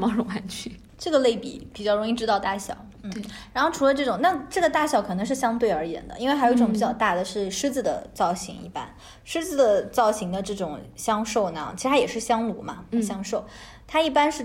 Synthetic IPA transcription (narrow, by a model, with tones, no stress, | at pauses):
mɑ˥˧lʊ˧˥ŋwa˧˥nt͡ɕʰy˥˩ | ʈ͡ʂɤ˥˩ɡə˩le˥˩ɪpḭ˨˩pi˨˩t͡ɕjʊɻʊ˧˥ŋ˥i˥˩ʈ͡ʂɻ̩˥ɑ˥˧ʊt̪a˥˩ɕjɑ̰˨˩˦ʊn̩˥˩˥ɻa˧˥nxo˥˩ʊʈ͡ʂʰu˧˥lə˧ʈ͡ʂɤ˥˩ʈ͡ʂʊ˨˩˦ŋna˥˧˩ʈ͡ʂɤ˥˩ɡə˩t̪a˥˩ɕjɑ˨˩ʊkʰɤ˨˩nɤ˧˥ŋʂɻ̩˥˩ɕjɑ˥ŋt̪we˥˩ɪə˞˧˥jɛ̰˧˥nd̪ə̰˧i˥nwxo˧˩˧ʈ͡ʂʊ˧˩ŋpi˨˩t͡ɕjɑ˥˧ʊt̪a˥˩d̪ə˩ʂɻ̩˥˩ʂɻ̩˥t͡sɹ̩˨˩d̪ə̰˩t͡sɑ˥˩ʊɕḭ˧˥ŋḭ˧˥˩pa̰˥n | ʂɻ̩˥d͡zɹ̩˧˩d̪ə˩t͡sɑ˥˩ʊɕi˧˥ŋd̪ə˧ʈ͡ʂɤ˥˩ʈ͡ʂʊ˨˩˦ŋɕjɑ˥ŋʂo˥˩ʊna̰˧˩t͡ɕʰi˧˥t̪ʰa˥jɛ˨˩ʂɻ̩˥˩ɕjɑ˥ŋlu˧˥mɐ̰˧ɕjɑ˥ŋʂo˥˩ʊ | t̪ʰa˥i˥˩pa˥nʂɻ̩˥˩